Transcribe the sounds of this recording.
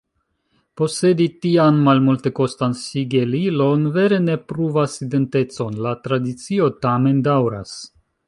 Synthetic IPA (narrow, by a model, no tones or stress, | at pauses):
po̞se̞ditianmalmulte̞ko̞stansiɡelilo̞nve̞ɾe̞ne̞pɾuvaside̞nte̞t͡so̞nlatɾadit͡sio̞tame̞ndawɾa̰s